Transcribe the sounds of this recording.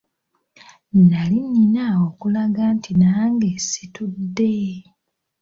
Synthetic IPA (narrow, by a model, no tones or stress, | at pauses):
nalinːinaokulaɡantinaːŋɡesitudːe